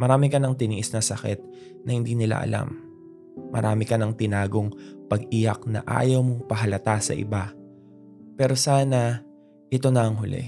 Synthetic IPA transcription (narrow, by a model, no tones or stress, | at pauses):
mɐɾaːmɪkɐnɐŋt̪ɪniːʔɪsnɐsɐkɛt̪̚ | nɐhɪnd̪iːnɪla̰ʔɐ̰lʔa̰mː | ɐ̰ɾʔa̰ːmɪkɐnɐŋt̪ɪnaːɡo̞ŋpɐɡʔijɐk̚nɐ̰ʔa̰ːjɐwmoŋpɐɦɐlɐt̪asɐ̰ʔɪ̰ba | pɛːɾo̞saːnɐ | ʔɪt̪o̞nɐʔɐŋɦʊlɛ̰